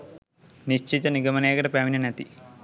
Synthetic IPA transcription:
niʃt͡ʃit̪ɐniɡɐmɐneːɡɐʈɐpaːʋinɐnɐt̪i

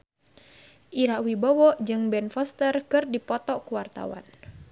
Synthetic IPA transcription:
ʔiɾawibɔwɔʔd͡ʒɨŋbɛnfɔst̪ərkɨrdipɔt̪ɔkuwart̪a̰wa̰n

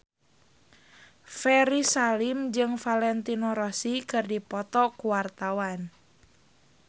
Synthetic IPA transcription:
fɛɾisalimd͡ʒɨŋfalɛnt̪inɔɾɔsikɨrdipɔt̪ɔkuwart̪awan

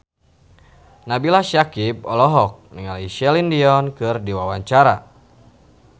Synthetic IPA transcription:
nabilaʃakip̚ɔlɔɦɔk̚niŋaliʃɛlindiɔnkɨrdiwawaɲt͡ʃaɾa

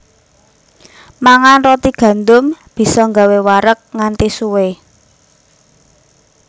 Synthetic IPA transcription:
maŋanrot̪iɡ̥ä̤nd̪ʊmb̥i̤sɔŋɡa̤wewaɾək̚ŋant̪isuwe

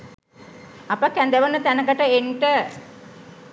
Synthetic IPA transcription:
apəkænd̪əʋənːət̪ænəkəʈəenʈə

